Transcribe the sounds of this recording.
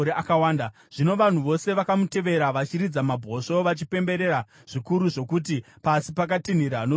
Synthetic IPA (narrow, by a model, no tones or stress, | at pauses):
ɾeakawaːnda | ʐ̥ino̞ʋan̤uʋo̞se̞ʋakamute̞ʋe̞ɾaʋat͡ʃiɾid͡zamabʱo̞ʂoʋat͡ʃipe̞mbe̞ɾe̞ɾa | ʐ̥ikuɾuʐo̞kut̬i | pasipak̬atin̤iɾano